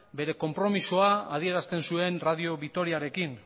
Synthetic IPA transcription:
be̞ɾe̞ko̞mpɾo̞misoaað̞ie̞ɾast̪e̞nsue̞nrað̞io̞βit̪o̞ɾiaɾe̞kin

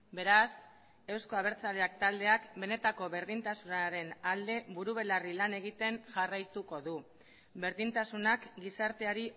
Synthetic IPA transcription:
be̞ɾas | e̞wsko̞aβ̞e̞ɾt͡saleak̚t̪ald̪e̞akbe̞ne̞t̪ako̞βe̞ɾðint̪asunaɾe̞nald̪e̞βuɾuβ̞e̞larilane̞ɣ̞it̪e̞nʝarajt̪uko̞ðu | be̞ɾðint̪asunakɡisaɾt̪e̞aɾi

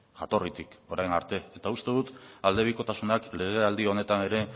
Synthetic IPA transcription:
ʝat̪o̞rit̪iko̞ɾajnaɾt̪e̞ːt̪aust̪e̞ðut̪ald̪e̞β̞iko̞t̪asunakle̞ɣ̞e̞ald̪io̞ne̞t̪ane̞ɾe̞

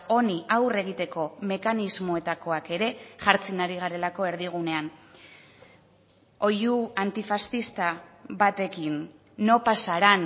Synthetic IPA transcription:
o̞niawre̞ɣ̞it̪e̞ko̞me̞kanizmo̞e̞t̪ako̞ake̞ɾe̞ʝaɾt͡sinaɾiɣ̞aɾe̞lako̞e̞ɾðiɣ̞une̞an | o̞juant̪ifast̪ist̪aβat̪e̞kinː | o̞pasaɾan

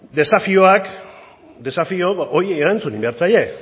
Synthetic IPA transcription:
d̪e̞safioak | d̪e̞safio̞aʔojːɾant͡sunimbeɾt͡saje̞

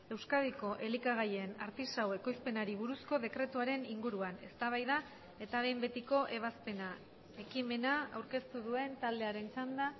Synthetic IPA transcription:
e̞wskaðiko̞ʔe̞likaɣajena̰ɾt̪isawe̞ko̞jspe̞naɾiβ̞uɾusko̞ðe̞kɾe̞t̪uaɾe̞niŋɡuɾuane̞st̪aβ̞ajða | e̞t̪aβe̞jmbe̞t̪iko̞ʔe̞β̞aspe̞na | e̞kime̞naa̰wɾke̞st̪uðue̞nt̪ald̪e̞aɾe̞nt͡ʃand̪a

